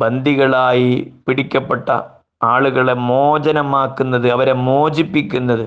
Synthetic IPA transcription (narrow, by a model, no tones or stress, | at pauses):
bɐnd̪ʱiɣɐɭaːjipiɽikʲːɐpːeʈːɐ̰ | aːɭuɣɐɭemoːd͡ʑɐnɐmaːkːunːɐðɨɐʋɐɾemoːd͡ʑipːikʲːunːɐðɨ